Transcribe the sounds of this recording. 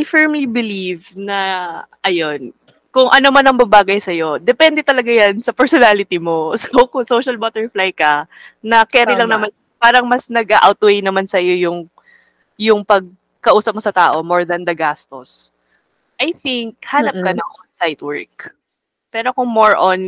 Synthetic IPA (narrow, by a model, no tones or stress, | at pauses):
ʔajfɛɹmlibɪlivnɐʔɐjo̞n | kʊŋʔɐnomanɐŋbɐbaːɡɐjsɐjo̞d̪ɛpɛnd̪ɛt̪ɐlɐɡajɐnsɐpɛɹsɔnaːlɪt̪imosokʊŋsowʃɐlbat̪ɛɹflajkɐ | nɐkɛɾɪlɐŋnɐman | paːɾɐŋmɐsnɐɡʔaʔawt̪wejnɐmansɐjo̞jʊŋ | jʊŋpɐɡ̚ | kɐʔuːsɐp̚mosɐt̪aːʔo̞moɹd̪ɐnd̪ɐɡaːst̪os | ʔɐjθɪŋk̚haːnɐp̚kɐnɐŋʔonsajt̪wɛ̰ɹk̚ | pɛːɾo̞kʊŋmoɹʔon